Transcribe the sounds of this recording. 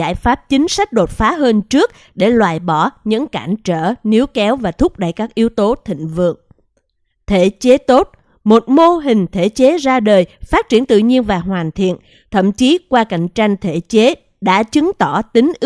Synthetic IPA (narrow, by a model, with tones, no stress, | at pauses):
aː˧˩jfaː˦˥p̚t͡ɕï˨˦ŋ̟sa˦˥jk̟̚ɗo˨˩t̚faː˨˦ɦəː˧nt͡ɕɨ˦˥ək̚ | ɗe˧˩lwaː˨˩jɓɔ˧˩ɲɨ̰˧˥ŋkaː˧˩nt͡ɕəː˧˩ni˨˦əwkɛ˨˦wvaː˨˩t̪ʰʊ˦˥k͡p̚ɗa̰ː˧˨jkaː˦˥k̚ʔi˨˦əwt̪o˨˦t̪ʰï˧˨ŋ̟vɨ̰˧˨əŋ | t̪ʰe˧˩t͡ɕe˨˦t̪o˦˥t̚ | mo˨˩t̚mo˧ɦï˨˩ŋ̟t̪ʰe˧˩t͡ɕe˨˦zaː˧ɗəː˨˩jfaː˦˥t̚t͡ɕi˧˩ənt̪ɨ̰˧˨ɲi˧ənvaː˨˩ɦwaː˨˩nt̪ʰḭ˧˨ən | t̪ʰə̰˧˨mt͡ɕi˨˦kwaː˧ka̰˧˩˨jŋ̟t͡ɕa˧jŋ̟t̪ʰe˧˩t͡ɕe˨˦ | ɗa̰ː˧˥t͡ɕɨ˨˦ŋt̪ɔ˧˩t̪ï˨˦ŋ̟ʔ